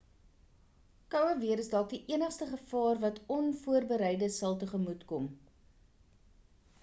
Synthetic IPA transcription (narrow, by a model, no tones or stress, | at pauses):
kœwəviəɾəsdɑːk̚diʔiənəχstəχəfɑːrvɐtʰɔnfuərbəɾɛjdəsɐlˠtəχəmutkɔm